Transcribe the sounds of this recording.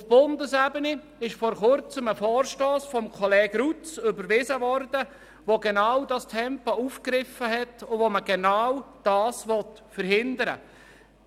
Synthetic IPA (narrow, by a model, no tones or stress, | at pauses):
fb̥ʊndəsæbəni | ɪʃfɔːɾχʊɾt͡səməfɔːɾʃtoːsfɔmkʰɔlɛːɡɾut͡sʏbəɾʋɪzəvɔɾd̥ə | ʋoɡenawdɑstʰɛmpɔuːfkɾɪfəɦɛtʊvoməɡ̥ɛnawd̥ɑːsʋɔt | fəɾhɪndəɾə̰